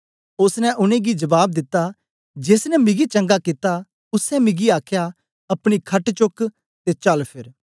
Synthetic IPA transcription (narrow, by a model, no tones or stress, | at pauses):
ʊsnɛ̃ʔʊnẽɡid͡ʒɐʋaːb̚d̪ɪt̪ːa | d͡ʒeːsnɛmɪɡit͡ʃɐ̃ŋɡakɪt̪a | ʊsɛ̃mɪɡiaːkʰja | ɐpɽ̃ikʰɐʈt͡ʃʊk | t̪et͡ʃɐlpʰɪɾ